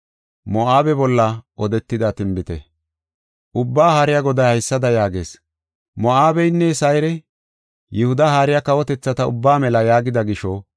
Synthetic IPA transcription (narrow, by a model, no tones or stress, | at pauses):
mɔaːbɛbɔlːɐʔɔd̪ɛt̪ːɪd̪at̪ɪmbɪt̪ɛ̰ | ʔʊbːaːhaːɾɪjaɡɔd̪ɐjhɐjsːɐd̪ɐjaːɡe̞ːs | mɔaːbɛjnːɛsɐjɾɛ | jɪhʊd̪ɐhaːɾɪjakɐwɔt̪ɛt͡sːɐt̪ɐʊ̰bːaːmɛlɐjaːɡɪd̪ɐɡɪʃɔ